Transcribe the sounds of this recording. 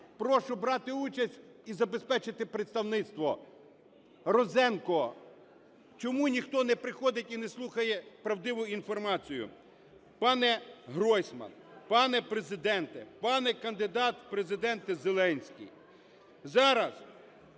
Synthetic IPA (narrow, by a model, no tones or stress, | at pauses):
pɾɔʃʊbɾɑt̪ɪut͡ʃɐsʲtʲ | izɐbespɛt͡ʃɪt̪ɪpɾet̪st̪ɐwnɪt̪st̪ʋɔ | ɾɔzɛnkɔ | t͡ʃɔmunʲixt̪ɔnɛpɾɪxɔd̪ɪtʲinɛslˠuxɐjɛpɾɐwd̪ɪʋʊinfɔrmɑt͡sʲijʊ̰ | pɑnɛɦɾɔjsʲmɐ̰npɑnɛpɾezɪd̪ɛnt̪ɛpɑnɛkɐnd̪ɪd̪ɑt̪pɾezɪd̪ɛnt̪ɪzelˠɛnʲsʲkʲḭj | zɑɾɐs